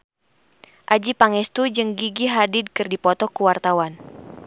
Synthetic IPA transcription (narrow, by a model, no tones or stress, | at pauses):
ʔad͡ʒipaŋɛst̪ud͡ʒəŋɡiɡiɦadid̚kɨrdipɔt̪ɔkuwart̪awan